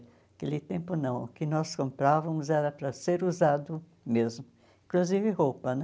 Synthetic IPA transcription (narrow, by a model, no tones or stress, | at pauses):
kelɪt̪ẽmpʊnɐ̃w̃ʊkɪnɔskõmpɾavɐmʊzɛɾɐpɾɐseɾuzad̪ʊ | mezmʊ | ĩkluzivɪhowpɐnɛ